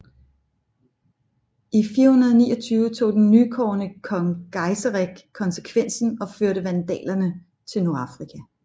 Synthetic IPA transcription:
ifiːɐhunɐð̞ˠnḭːɒt͡sʰyːʊət͡sʰo̝̰ːd̥enːykʰɒ̰ːnəkʰɒ̽ŋɡ̥ɑ̈ɪsəʁeɡ̥kʰɒ̽nsə̥kʰʋen̰sn̩ɒ̽føɐɾəʋænd̥ɛ̰ːlɐnə | t͡sʰe̝lnu̝ɐɑ̈fʁikʰæ

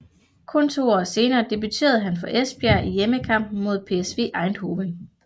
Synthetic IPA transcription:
kʰɔ̽nt͡sʰo̝̰ːɒ̰ːse̝ːnɐːd̥e̝b̥yt͡sʰe̝̰ːɐð̞̩ˠɦænfɒ̽ʔesb̥jæɐʔijeməkʰɑ̈m̰b̥̚n̩mo̝ð̞̰ˠpʰe̝esʋe̝̰ːʔɑ̈ɪnd̥ho̝ːʋen

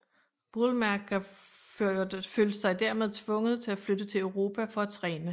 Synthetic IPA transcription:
b̥olmæɐɡ̥æ | føːld̥əsɑ̈ɪd̥æɐmeðˠt͡sʰʋɔ̽ŋəð̩ˠt͡sʰe̝æflød̥ət͡sʰe̝løʊʁo̝ːpʰæfɒ̽æt͡sʰʁɛːnə

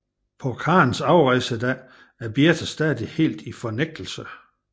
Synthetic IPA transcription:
pʰɒkʰɑ̈ːnsɑ̈ʊʁɑɪsəd̥æ | æɐb̥jet͡sʰəsd̥ɛːðˠihe̝̰ːld̥ifɒ̽neɡ̥̚d̥l̩sə

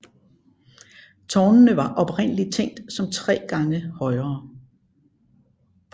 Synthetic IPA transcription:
t͡sʰɒːnnəʋɑ̈ʔɒ̽b̥ʁen̰əlit͡sʰeŋ̰d̥sɒ̽mt͡sʰʁɛ̰ːɡ̥ɑ̈ŋəhɒ̽ɪʁɐː

